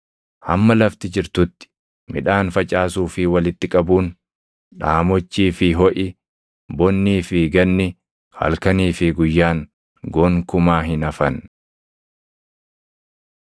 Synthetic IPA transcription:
hɐ̰mːɐlɐft̪ɪd͡ʒɪɾt̪ʊt̪ːɪ̥ | mɪᶑaːnfɐt͡ʃʼaːsuːfɪwɐlɪt̪ːɪkʼɐbuːn | ᶑaːmɔt͡ʃːiːfɪɦɔʔɪ | bɔnːiːfɪɡɐnːɪ | hɐ̰lkɐniːfɪɡʊjːaːn | ɡɔːŋkʊmaːɦɪnɐfɐn

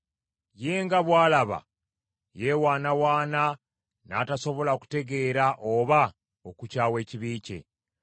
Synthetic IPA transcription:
je̞ːŋɡaβwaːlaβa̰ | jewaːnawaːna | naːtaso̞βo̞laku̥te̞ɡe̞ːɾaʔoβa | okucaːwe̞ːciβiːce̞̰

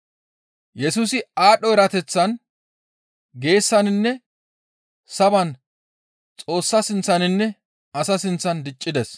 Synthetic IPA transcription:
jɛsuːsɪaːɗɔɛɾɐt̪ɛt͡sːɐn | ɡe̞ːsːɐnɪnːɛ | sɐbɐn | t͡sʼo̞ːsːɐsɪnt͡sːɐnɪnːɛ | ɐsɐsɪnt͡sːɐnd̪ɪt͡ʃʼːɪd̪ɛs

